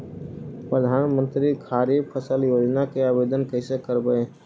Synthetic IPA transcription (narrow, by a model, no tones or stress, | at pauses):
pɾəd̪ʱaːnmə̃nt̪ɾikʰaːɾipʰəsəljoːd͡ʒnakeaːbeːd̪ənkɛɪsekəɾbəe